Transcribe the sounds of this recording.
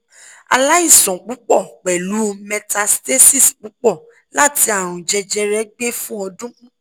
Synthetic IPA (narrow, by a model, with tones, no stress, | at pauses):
a̰˧la˦i˦˨sɔ̃˨k͡pu˨˦k͡pɔ˦˨k͡pɛ˨lu˨˦mɛ̃˧ta˧ste˦si˦˨sk͡pu˨˦k͡pɔ˦˨ | la˦ti˧˦a˦˨ɾ̃ũ˨d͡ʒɛ˧d͡ʒɛ˧˦ɾɛ˦ɡ͡be˦fũ˦ɔ˧dũ˦